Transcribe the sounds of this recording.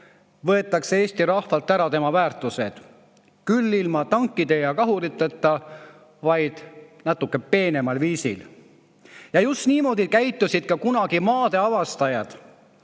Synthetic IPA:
vɤ̞e̞t̪ːˑɑksee̞ːsʲt̪iɾɑhvɑlt̪ːˑæɾɑt̪e̞mɑvæːrt̪ːˑused̪̥ | kylːilmɑt̪ɑŋkːˑid̪e̞jɑkɑɦuɾit̪ːˑet̪ːˑɑ | vɑjd̪̥nɑt̪ːˑukːe̞pe̞ːne̞mɑlviːsḭl | jɑjust̪niːmo̞ːd̪ikæjt̪ːˑusid̪̥̚kɑkunɑɡ̥imɑːd̪e̞ɑvɑst̪ɑjɑd̪̥

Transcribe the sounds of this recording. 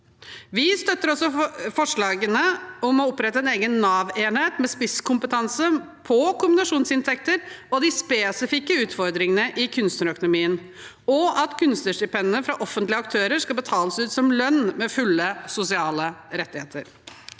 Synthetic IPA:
ʋɪst̪œt̪ːəɾɔsɔfɔʂɭɑːɡənəɔmɔɔpɾɛt̪ːəɛneːɡənːɑːʋeːnheːt̪mɛspɪskʰʊmpət̪ʰɑnsə | pʰɔkʊmbɪnɑʂuːnsɪnt̪ʰɛkt̪əɾɔd̪ɪspeːsɪfɪkəʉːt̪fɔɾd̪ɾɪŋənəʔɪkʰʉnst̪əɾœkʊnʊmiːən | ɔɑt̪kʰʉnst̪əʂdɪpʰɛnːəfɾɑʔɔfənt̪lɪəɑkt̪ʰøːɾəɾʂkɑbət̪ʰɑːləsʉːt̪sɔmlœnːmɛfʉlːəsʊsɪɑːləɾɛt̪ːɪheːt̪əɾ

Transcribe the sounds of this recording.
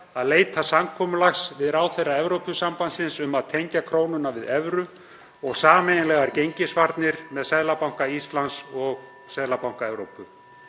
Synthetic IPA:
aðleːjt̪ʰasamkʰɔːmʏlaxsvɪðɾaːwθejrːaɛvɾowpʏsampansɪnsʏmaðt̪ʰejɲcakʰɾoːwnʏnavɪðɛvɾʏ | ɔɣsaːmeːjnɪlɛɣaɾcejɲcɪsvaɾt̪nɪɾ̥mɛðsɛðlapawŋkaist̪lansɔɣ | sɛðlapawŋ̥kaɛvɾowpʏ

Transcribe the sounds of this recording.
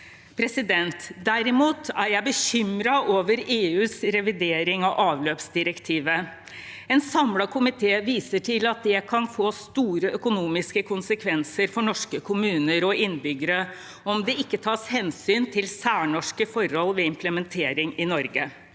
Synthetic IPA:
pʰɾɛsɪd̪ɛnt̪d̪æɾɪmuːt̪æɾjæɪbəçʏmɾɑʔoːʋəɾeːʉːsɾɛʋɪd̪eːɾɪŋɑʔɑːʋløːpsd̪ɪɾəkt̪ʰiːʋə | ɛnsɑmlɑkʰʊmɪt̪ʰeːʋiːsəʈʰɪlɑt̪̚d̪ɛkʰɑnfoːst̪uːɾəœkʊnuːmɪskəkʰʊnsəkʰʋɛnsəɾfɔɳɔʂkəkʰʊmʉːnəɾɔɪnbʏɡəɾə | ɔmd̪ɛɪkːət̪ʰɑːshɛnsyːnt̪ʰɪlsæːɳɔʂkəfɔɾhɔlːʋɛːɪmpləmɛnt̪ʰeːɾɪŋɪnɔɾɡə

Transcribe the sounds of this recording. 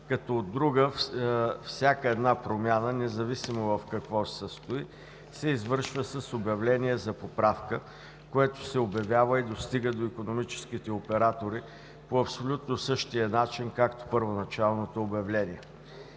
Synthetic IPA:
kɐt̪ɔːd̪ːɾuɡə | fsʲjakəɛd̪napɾomʲanənɛzɐvisimovɐfkɐkvɔsəst̪oi | sɛizvɤɾʃvəsəsobʲjɐvlɛniɛzɐpopɾafkə | koɛt̪ʊ̥sɛobjɐvʲjavəid̪ost̪iɡəd̪oikonomit͡ʃɛ̥skit̪ɛopɛɾat̪oɾi | poɐpsolʲut̪nosɤʃt̪iənat͡ʃinkakt̪o̥pəɾvonɐt͡ʃalˠnot̪oːbjɐvlɛniɛ

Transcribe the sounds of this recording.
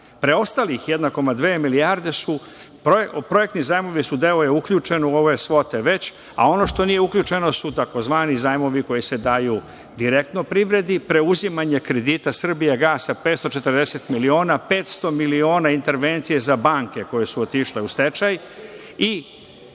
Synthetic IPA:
pɾe̞o̞st̪alixjed̪nako̞mad̪ʋeːmilijaɾd̪e̞su | popɾo̞je̞k̚t̪nizaːjmo̞ʋisud̪eojeukʎʲut͡ʃe̞niuo̞ʋesʋo̞t̪eʋe̞t͡ɕ | a̰o̞no̞ʃt̪o̞nijeukʎut͡ʃe̞no̞sut̪ako̞zʋaːnizaːjmo̞ʋiko̞jise̞d̪aju | d̪iɾek̚t̪no̞pɾiʋɾe̞d̪ipɾe̞uzimaɲe̞kɾe̞d̪it̪asr̩bijaɡaːsapeːt̪st̪o̞t͡ʃe̞t̪rɾd̪ese̞t̪milio̞ːnape̞ːt̪st̪o̞milio̞ːnaint̪e̞ɾʋe̞nt̪sijezabaːŋke̞ko̞je̞suot̪iʃle̞ust̪e̞t͡ʃaj | i

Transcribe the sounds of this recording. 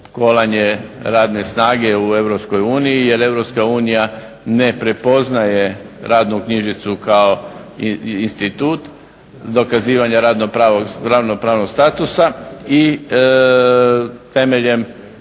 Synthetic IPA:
ko̞laɲe̞ɾaːd̪ne̞snaːɡe̞ue̞ʋɾopsko̞juːnijije̞ɾe̞ʋɾopskauːnija | ne̞pɾe̞po̞znaje̞ɾaːd̪nukɲiʒit̪sukao̞ | inst̪it̪uːt̪ | d̪o̞kaziːʋaɲaɾad̪noɾaoɡɾaʋno̞pɾaːʋnoɡst̪aːt̪usai | t̪e̞me̞ʎe̞m

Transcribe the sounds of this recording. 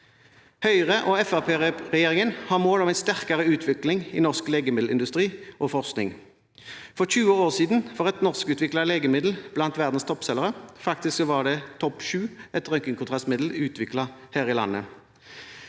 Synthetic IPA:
hœʏʁəʔɔːɛfɑpʰeːʁɛʁɛjeːʁɪŋənhɑːmoːlɔmæɪst̪æʁkɑʁəʉːt̪ʰʋɪklɪŋḭnɔʁskleːɡəmɪd̪l̩ɪnd̪ʉst̪ʁiːʔɔfɔʁsknɪ̰ŋ | fɔʁçʉːəoːʁsiːd̪n̩fɔʁɛt̪nɔʁskʉːt̪ʋɪklɑleːɡəmɪd̪l̩b̥lɑnt̪ʋæʁd̪n̩st̪ʰɔpsɛləʁəfɑkt̪ɪsksɔʋɑd̪ɛt̪ʰɔpʃʉːɛt̪ʁœŋkɪŋkʰʊnt̪ʁɑst̪mɪd̪l̩ʉːt̪ʰʋɪklɑhæːʁɪlɑ̰nːə

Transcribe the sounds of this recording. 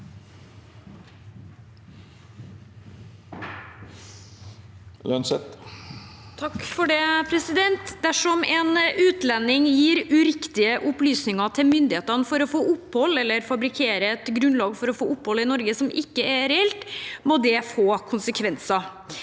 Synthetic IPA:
ʉ̰ɑnsɛt̪ | t̪ʰɑkfɔɖeːpʰɾɛsɪd̪ɛnt̪d̪æʂɔmɛːnʉːt̪lɛnːɪŋjiːɾʉɾɪkt̪ɪəʔʊplyːsnɪŋɑt̪ʰɪmʏnd̪ɪheːt̪ɑnəfɔɾɔfoːʔʊpːhɔlːɛlːəɾfɑbɾɪkʰeːɾəɛt̪ɡɾʉnlɑːɡfɔɾɔfoːʔʊpːhɔlɪnɔɾɡəsɔmɪkːəɛɾɛɛlt̪moːd̪ɛfoːkʰʊnsəkʰʋɛnsɑ

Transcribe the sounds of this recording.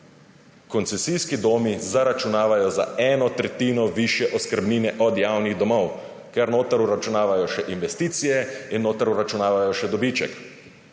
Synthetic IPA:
kɔnt̪sɛsiːskid̪oːmizaɾat͡ʃunaːʋajɔza̰ɛːnɔt̪ɾɛt̪iːnɔʋiʃjɛʔɔskəɾbniːnɛʔɔd̪jaːwniɣd̪ɔmɔw | kɛɾnoːt̪aɾuɾat͡ʃunaːʋajɔʃɛʔinʋɛst̪iːt̪sijɛinːoːt̪aɾuɾat͡ʃunaːʋajɔʃɛd̪ɔbiːt͡ʃɛ̰k

